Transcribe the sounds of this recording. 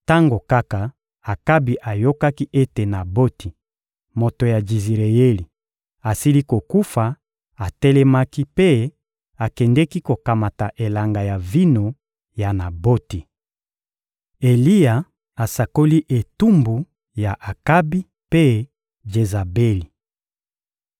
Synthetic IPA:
ta˦ŋɡo˨ka˦ka˨ | a˨ka˦bi˨ʔa˨jo˦ka˦ki˦ʔe˦te˨na˨bo˦ti˨ | mo˨to˨ja˨d͡ʒi˨zi˨ʁe˨je˦li˨ | a˨si˦li˦ko˨ku˦fa˨ | a˨tɛ˦lɛ˦ma˦ki˦pe˦ | a˨kɛ˨ndɛ˦ki˦ko˨ka˨ma˨ta˨ʔe˨la˨ŋɡa˨ja˨vi˦no˨ | ja˨na˨bo˦ti˨ | e˨li˦ja˨ | a˨sa˨ko˦li˦ʔe˨tu˦mbu˨ | ja˨ʔa˨ka˦bi˦ | pe˦ | d͡ʒe˨za˨be˦li˨

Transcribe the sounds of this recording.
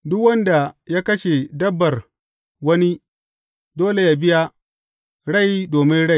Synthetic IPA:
dʊ˦kwɐ˦nda˨ja˦kɐ˦ʃe˨dɐ˦bːɐ˨r | wɐ˦ni˦ | doː˦le˨ja˨bɪ˦ja˦ | ɽa˦˨jdoː˨mɪ˦nɽa˦˨

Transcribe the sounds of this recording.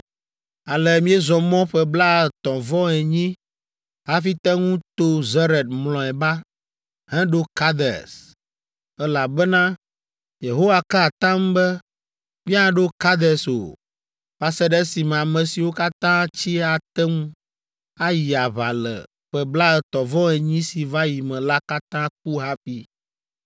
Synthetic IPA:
a˨lɛ˨mĩ˦ɛ˦zɔ̃˨mɔ̃˦ɸɛ˦bla˦ɛ˨t̪ɔ̃˨vɔ˦ɛ˨ɲĩ˦ | ɦa˦fi˦t̪ɛ˦ŋũ˦t̪o˦zɛ˦ɾɛ˨d̪̚mlɔ̃˨ɛ˨ba˦ | ɦɛ̃˦ɖo˦ka˦d̪ɛ̰˨s | ɛ˦la˨bɛ˦nã˦ | je˨ɦo˦wa˨ka˦˨t̪ã˦m˦bɛ˦ | mĩ˦ã˦ɖo˦ka˦d̪ɛ˨so̰˨ | ɸa˨sɛ˦ɖɛ˦si˨mɛ̃˨a˨mɛ̃˨si˨wo˦ka˦t̪ã˦t͡ɕi˦a˨t̪ɛ˦ŋũ˦ | a˦ji˨a˨βa˨lɛ̰˨ | ɸɛ˨bla˦ɛ˨t̪ɔ˨vɔ̃˦ɛ˨ɲĩ˦si˨va˦ji˨mɛ̃˨la˦ka˦t̪ã˦k̚u˦ɦa˦fi˦

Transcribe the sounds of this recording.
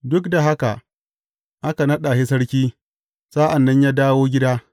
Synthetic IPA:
dʊ˦kda˨ɦa˦ka̰˨ʔ | ʔa˦ka˨nɐ˦ɗa˨hɪ˦s̬ɐ˦ɽkʲiː˦ | saː˦ʔa˨nːɐ˦ɲjaː˦daː˦woː˦ɡʲɪ˦daː˦

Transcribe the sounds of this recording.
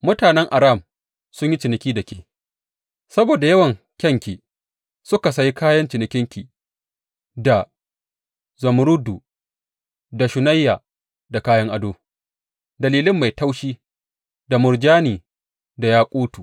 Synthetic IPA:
mʊ˦taː˨nɛ˦ŋʔa˨ɾaː˦˨m | sʊ˦ɲji˦t͡ʃɪ˨nɪ˨kʲiː˦dɐ˨kʲeː˨ | sɐ˦boː˨da˨jɐ˦wɐ˨ŋ | kʲɐ˦ŋkʲiː˨ | sʊ˦ka˨sɐ˦ji˦kaː˦jɐ˦nt͡ʃɪ˨nɪ˨kʲɪ˦ŋkʲi˨ | da˨ | zɐ˨m˦ɾʊ˦du˨ | da˨ʃʊ˨na˦jːaː˨ | da˨kaː˦jɐ˦ŋʔa˦doː˦ | dɐ˨liː˨lɪ˦mːa˨jta˦wʃiː˦ | da˨mʊ˨ɾd͡ʒaː˦niː˨ | da˨jaː˦kʷʼuː˦tuː˨ʔ

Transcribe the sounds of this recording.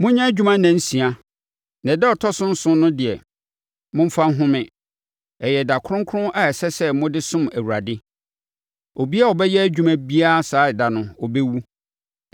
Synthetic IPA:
mʊ̃˦ɲã˦d͡ʑᶣu˦mã˦nɛ̃˨n̩˦sĩ˨a˨ | nã˨dɛ˦ɔ˨tʰɔ˦sʊ̃˦n̩˦sʊ̃˦nʊ̃˦dɪ˨ɛ˨ | mʊ̃˦m̩˦fa˦n˦ɦʊ̃˦mɪ̃˨ | ɛ˨jɛ˨da˨kʰʊ˦ʊ̃˦ŋ˦kʰʊ˦ɾʊ̃˦ʔa˨ɛ˨sɛ˦sɛ˦mʊ̃˦dɪ˦sʊ̃˦mæ˨wu˨ɾa˨dɪ˦ | o˨bi˦a˦˨ɔ˨bɛ˦jɛ˦æ˦d͡ʑᶣu˦mæ̃˦bi˦a˦saː˨˦ɪ˨da˨nʊ̃˨ɔ˨bɛ˦wu˦

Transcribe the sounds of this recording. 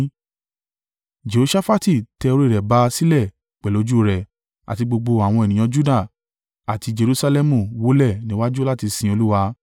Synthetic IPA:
d͡ʒe˨o˨˦ʃa˦fa˦ti˦˨tɛ˧o˧ɾo˦˨ɾɛ˨ba˨˦si˦lɛ˦˨ | k͡pɛ˨lo˨˦d͡ʒu˦o˦˧ɾɛ˨ | a̰˨ti˧ɡ͡bo˧ɡ͡bo˧a˨w̃ɔ̃˧ɛ˨nĩ˨ã˧d͡ʒu˦da˦˨ | a˨ti˧d͡ʒe˧ɾu˦sa˧lɛ˦mũ˨wo˨˦lɛ˦˨nĩ˦wa˦d͡ʒu˦la˦˨ti˧sĩ˧o˧lu˦wa˧

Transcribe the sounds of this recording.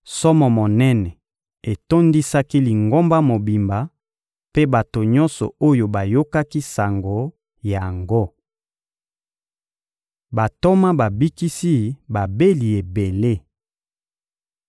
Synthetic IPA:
sɔ˦mɔ˨mo˨nɛ˦nɛ˨ | e˨to˦ndi˦sa˦ki˦li˨ŋɡo˦mba˦mo˨bi˨mba˨ | pe˦ba˨to˨ɲɔ̃˦nsɔ̰˨o˦jo˨ba˨jo˦ka˦ki˦sa˨ŋɡo˨ | ja˨ŋɡo˦ | ba˨to˦ma˦ba˨bi˦ki˦si˦ba˨be˦li˨e˨be˨le˦

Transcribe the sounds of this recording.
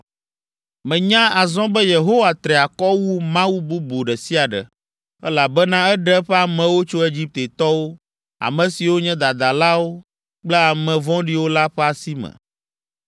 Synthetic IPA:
mɛ̃˨ɲã˦a˨zɔ̃˦bɛ˦je˨ɦo˦wa˨t̪ɾɛ˨a˨kɔ˦wu˦mã˦wu˦bu˦bo˨ɖɛ˨si˦a˨ɖɛ̰˨ | ɛ˦la˨bɛ˦nã˦ɛ˦ɖɛ˦ɸɛ˦a˨mɛ̃˨wo˦t͡ʃo˦e˦d͡ʑi˦p̚t̪e˨t̪ɔ˦wo˦ | a̰˨mɛ̃˨si˨wo˦ɲɛ̃˦d̪a˨d̪a˨la˦wo˦ | k͡plɛ˦a˨mɛ̃˨vɔ̃˦ɖi˦wo˦la˦ɸɛ˦a˨si˦mɛ̰̃˨

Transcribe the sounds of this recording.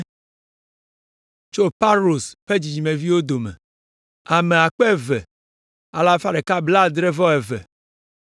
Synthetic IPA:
t͡ʃo˦pa˦lo˨sɸe˦d͡ʑi˨d͡ʑi˨me˨vi˦wo˦d̪o˨mɛ̰˨ | a˨me˨a˨k͡pɛ˦˨vɛ˨ | a˨la˦fa˦ɖe˨ka˦bla˦d̪ɾe˦vɔ˦ɛ˨vɛ̰˨

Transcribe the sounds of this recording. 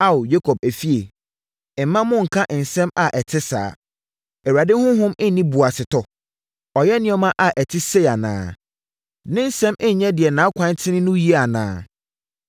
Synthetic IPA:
a˦˨o˨je˦kʰɔ˨b̚æ˨fi˦e˨ | ɛ˨mːã˦mʊ̃˦ŋ̩˨kʰã˦ʔn̩˨sɛ̃˦ma˨ʔɛ˨tʰɪ˦sa̰ː˨ | ɛ˨wa˨dɪ̃˦hʊ̃˦ɦʊ̃˦mɛ˦nĩ˦bu˨a˨sɪ˨tʰɔ˨ | ɔ˨jɛ˦nɪ̃˦ɛ˦mã˦ʔa˨ʔɛ˨tʰɪ˦se˦a˨nã̰ː˨ | nɪ̃˦n̩˦sɛ̃˦mɛ˦ɲ˨ɲɛ̃˦dɪ˨ɛ˨nã˨˦kʷʰã˦n˦tʰɪ̃˦nɪ̃˦nʊ̃˦ji˦a˨nã̰ː˨˦˨

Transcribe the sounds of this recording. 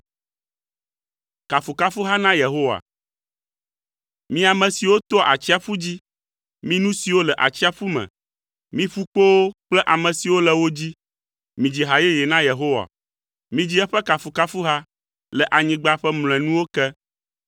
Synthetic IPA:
ka˨fu˨ka˦fu˦ɦa˦nã˦je˨ɦo˦wa̰˨ | mĩ˦a˨mɛ̃˨si˨wo˦t̪ɔ˦ʔa˨t͡ɕi˦a˨fu˦d͡ʑi˦ | mĩ˦nũ˦si˨wo˦lɛ˨ʔa̰˨t͡ɕi˦a˦ɸu˦mɛ̰̃˨ | mĩ˦ɸu˦k͡po˦wo˦k͡plɛ˦ʔa˨mɛ̃˨si˨wo˦lɛ˨wo˦d͡ʑi˦ | mĩ˨d͡ʑi˨ɦa˨je˦je˨nã˦je˨ɦo˦wa̰˨ | mĩ˦d͡ʑi˦ɛ˦ɸɛ˦ka˨fu˨ka˦fu˦ɦa˦ | lɛ˨ʔa˨ɲĩ˨ɡ͡ba˦ɸɛ˦ml̃ɛ̃˨nũ˦wo˦kɛ˦

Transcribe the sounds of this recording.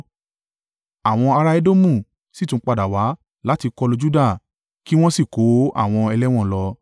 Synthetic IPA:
a˨w̃ɔ̃˧a˧ɾa˧e˦do˦mũ˦˨ | si˦tũ˧˦k͡pa˧˨da˨wa˨˦ | la˦ti˧kɔ˧lo˧d͡ʒu˦da˦˨ | ki˦w̃ɔ̃˦si˦˨ko˨˦a̰˦˨w̃ɔ̃˧ɛ˧lɛ˦w̃ɔ̃˦˨lɔ˧

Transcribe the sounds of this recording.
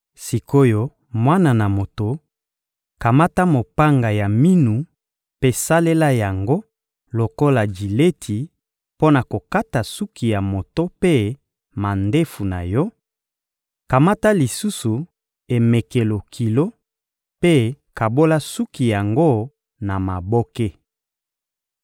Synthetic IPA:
si˨ko˦jɔ˦ | mwa˦na˨na˨mo˨to˨ | ka˨ma˦ta˦mo˨pa˦ŋɡa˨ja˨mi˦nu˨ | pe˦sa˦le˦la˦ja˨ŋɡo˦ | lo˨ko˦la˨d͡ʒi˨le˦tʰi˨ | po˦na˨ko˨ka˦ta˨su˦ki˨ja˨mo˨to˦pe˦ | ma˨nde˦fu˨na˨jɔ˦ | ka˨ma˦ta˦li˨su˦su˨ | e˨me˨ke˨lo˨kʰi˨lo˦ | pe˦ka˨bo˦la˦su˦ki˨ja˨ŋɡo˦ | na˨ma˨bo˦ke˦

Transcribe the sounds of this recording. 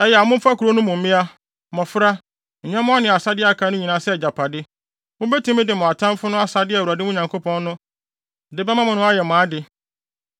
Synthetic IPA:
ɛ˨jɛ˨a˨mʊ̃˦m̩˦fa˦kʰu˨ɾo˦nʊ̃˦mʊ̃˨m̩˦mɪ̃˦a˦ | mɔ̃˨fɾa˦ | ɲ̩˨ɲɛ̃˦mʊ̃˦a˦nɪ̃˨a˨sa˦dɪ˦a˨kʰã˨˦nʊ̃˦ɲĩ˨nã˨˦sɛ˦˨d͡ʑa˨pʰa˨dɪ˦ | mʊ̃˦bɛ˦tʰĩ˨˦mɪ̃˦dɪ˨mʊ̃˨a˨tʰã˦m˦fʊ˦nʊ̃˦a˦sa˨dɪ˦˨u˨a˨dɪ˦mʊ̃˦ɲã˨ŋkʰo˦pʰɔ̃˦nː˦ʊ̃˦˨ | dɪ˦bɛ˦mã˦mʊ̃˨nʊ̃˦a˦jɛ˨mʊ̃˨a˦dɪ˨

